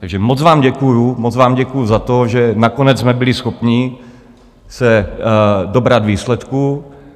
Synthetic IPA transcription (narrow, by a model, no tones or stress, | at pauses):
t̪aɡʒɛmot͡svaːmɟɛkujumot͡svaːmɟɛkujuzat̪o̞ʒɛnako̞nɛt͡ssmɛbɪlɪsxo̞pɲɪ | sɛ | dobɾad̪viːslɛt̪ku